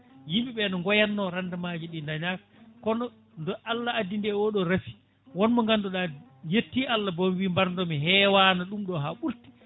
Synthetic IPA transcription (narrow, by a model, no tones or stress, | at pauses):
jimbiɓɛnɔŋɡɔjanːɔɾandamad͡ʒiɗindaɲakakɔnɔ | ndɔʔalːaadindɛwoɗɔɾafi̥ | wɔnmɔŋɡandɔɗajetːialːabombimbaɾndɔmiɦɛwanaɗumɗɔɦaɓulti̥